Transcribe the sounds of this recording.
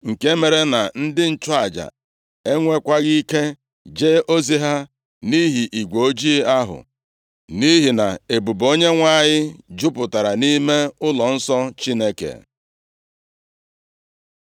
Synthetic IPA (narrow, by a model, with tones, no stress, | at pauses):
ŋ̩˨ke˦me˨ɾe˦na˨n̩˦dɪ˦n̩˦˨t͡ʃʊ˦a˨d͡ʒa̰˨ | e˦ŋʷe˦kʷa˦ɣi˦ke˦ | d͡ʒe˦ʔo˦zi˦ɦa˦ | ni˦ɦi˨ʔi˨ɡʷo˨o˦d͡ʒi˦a˦ɦʊ̰˨ | ni˦ɦi˨na˨e˨bu˨bo˦ɲe˦ŋʷa˦˨ɲɪ˦d͡ʒʊ˦pʊ˨ta˨ɾa˨ni˦me˦ʊ˦lɔ˨n̩˦sɔ˦t͡ʃi˦ne˦kḛ˨